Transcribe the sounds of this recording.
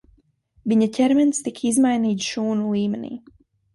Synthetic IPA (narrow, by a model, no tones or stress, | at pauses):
viɲacʲɛɾmɛnst̪ikʰizmajniːt̪sʃuːnulˠiːmɛnḭː